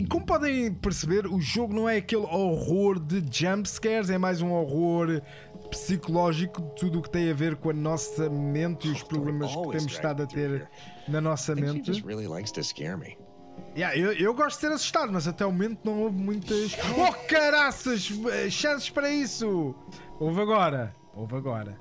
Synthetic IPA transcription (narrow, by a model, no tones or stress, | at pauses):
komupɔðɐ̃j̃pɨɾsɨβeɾuʒoɣunɐ̃w̃ɛɐkelˠoʁoɾðɨd͡ʒɐ̃mpskɛɾzɛmajzũoʁoɾ | psikulˠɔʒikuɨt̪uðuːkt̪ɐ̃j̃ɐveɾkõɐnɔsɐmẽnt̪iuʃpɾuβlˠemɐʃkt̪emuʃʃt̪aðɐt̪eɾ | nɐnɔsɐmmẽnt̪ɹḭlˠḭla̰ɪkstʰɨskɛ̰ɹmḭ | jɛewewɣɔʃt̪d̪̥seɾɐsu̥ʃt̪aðumɐzɐt̪ɛɔwmumẽnt̪unɐ̃w̃ovmũj̃t̪ɐʃɔkɐɾasɐʃɛʃɐ̃sʃpɐɾɐisu | ovɐɣɔɾɐ | ovɐɣɔɾɐ̰